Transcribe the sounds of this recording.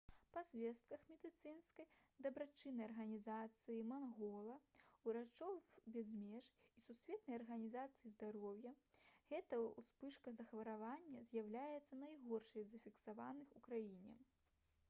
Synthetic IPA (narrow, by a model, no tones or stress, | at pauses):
pɐzʲvʲɛst̪̚kɐxmʲɛd̪ɨt̪sɨnskɐjd̪ɐbɾat͡ʂɨnːɐjɐrɣɐnʲizat̪sɨjimanɣɔlˠɐuɾat͡ʂɔwbʲɛzmʲɛʐisusʲvʲɛt̪nɐjɐrɣɐnʲizat̪sɨjizd̪aɾɔwjɐɣɛt̪ɐuspɨʂkɐzɐxvɐɾavanʲːɐzʲjawlʲajɛt̪sːɐnajɣɔrʂɐjzɐfʲiksava̰nɨxukɾajinʲɛ̰